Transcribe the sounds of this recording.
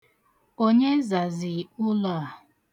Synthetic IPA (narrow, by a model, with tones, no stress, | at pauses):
o˦ɲe˦za˨zi˨ʊ˦lɔ˨a˨